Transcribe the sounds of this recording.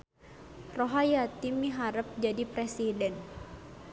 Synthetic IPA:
roɦajat̪imiɦaɾəp̚d͡ʒadipɾɛsidɛn

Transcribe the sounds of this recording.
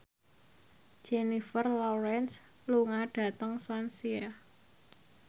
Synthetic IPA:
d̥ʒ̥enifərlɔɾɛns | luŋaɖ̥a̤t̪əŋswansia

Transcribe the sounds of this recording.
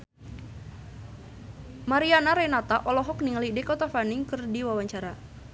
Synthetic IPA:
maɾianaɾɛnat̪aʔɔlɔɦɔkniŋalidɛkɔt̪afanɪŋkɨrdiwawaɲt͡ʃaɾa

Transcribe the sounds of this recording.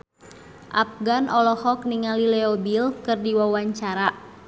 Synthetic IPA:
ʔap̚ɡanʔɔlɔhɔk̚niŋalilɛɔbilkɨrdiwawaɲt͡ʃaɾa

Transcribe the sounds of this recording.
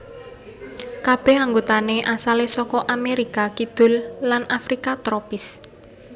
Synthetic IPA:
kab̥ɛhaŋɡot̪aneʔasalesɔkɔʔameɾikakid̪̥ʊ̤lːanʔafɾikat̪ɾɔpɪs

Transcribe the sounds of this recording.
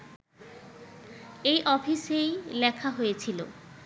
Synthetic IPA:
ejʔɔfʰisejlɛkʰaɦojet͡ɕʰilo̰

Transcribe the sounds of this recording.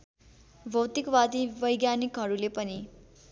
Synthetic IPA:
bʱʌwt̪ikwad̪ibʌjɡjanikɦʌɾulepʌni

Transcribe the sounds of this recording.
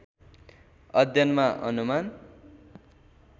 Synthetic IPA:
ʌd̪ʱjʌnmaʔʌnuman

